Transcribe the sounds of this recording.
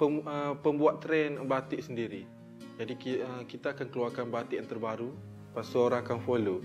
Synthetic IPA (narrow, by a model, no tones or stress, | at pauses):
pəməpəmbuat̪ːɾɛnbat̪iʔsəndiɾi | d͡ʒadikəkit̪aːkankəluarkanbat̪ɪʔant̪ərbaɾu | pasuoɾaŋakanfolo